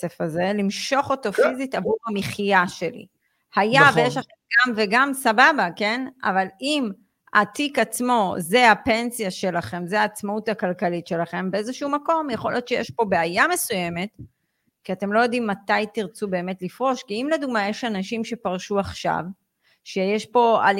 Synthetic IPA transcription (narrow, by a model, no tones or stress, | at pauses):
efaze̞limʃo̞χo̞to̞fizitavuamiχijaʃe̞lḭ | hajavejeʃlaχemɡamveɡamsababake̞na̰valim | a̰tikat͡smo̞ze̞ape̞nsijaʃe̞laχe̞mzeaːt͡smautakalkalitʃe̞laχe̞mbeezeʃuumako̞mjeχo̞lijo̞tʃejeʃpo̞beajame̞suje̞me̞t | kiate̞mlojo̞d̪imːatajtiʁt͡sube̞ːme̞tlifʁo̞ʃkiimleduɡmajeʃanaʃimʃe̞paʁʃuaχʃa̰v | ʃejeʃpo̞a̰l